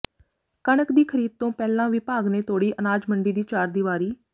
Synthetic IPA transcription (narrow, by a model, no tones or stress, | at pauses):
kəɳəkd̪iːkʰəɾiːd̪̚t̪õːpɛːlãːʋɪpaːɡnẽːt̪ʰoːɽiːʔənaːd͡ʒməɳɖiːd̪iːt͡ʃaːɾd̪iːʋaːɾiː